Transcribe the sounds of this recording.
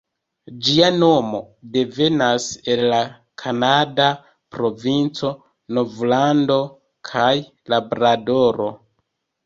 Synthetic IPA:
d͡ʒiano̞mo̞ | de̞ve̞nase̞lla | kʰanada | pɾo̞vint͡so̞ | novlando̞ | kʰaj | labɾado̞ɾo̞

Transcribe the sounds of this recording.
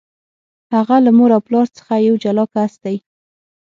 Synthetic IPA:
haɣalamoɾawplɑɾt͡sə̥xajawd͡ʒalɑkasd̪aj

